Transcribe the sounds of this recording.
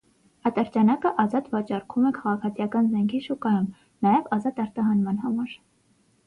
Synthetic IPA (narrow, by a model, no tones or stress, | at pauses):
ɑt̪ɑɾt͡ʃɑnɑkəʔɑzɑt̪vɑt͡ʃɑrkʰumɛkʰɑʁɑkʰɑt͡sʰijɑkɑnzɛŋkʰiʃukɑjum | nɑjɛvɑzɑt̪ɑɾt̪ɑɦɑnmɑnhɑmɑɾ